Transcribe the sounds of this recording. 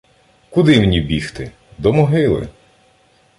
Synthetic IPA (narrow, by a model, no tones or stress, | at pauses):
kʊd̪ɪmenʲibʲixt̪ɪ | d̪ɔmɔɦɪlˠɪ̰